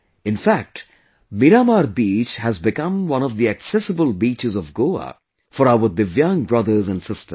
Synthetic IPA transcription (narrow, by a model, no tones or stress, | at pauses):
ɪ̃nfæk̚t | miɾamaɾbiːt͡ʃhæzbɪkʌ̃mwʌ̃nɔvd̪iæksɛsəbəlˠbiːt͡ʃɨzɔvɡoːa̰ | fɔɾawəd̪ɨvjʌ̃ŋbɹʌðə˞zə̃nsɪstə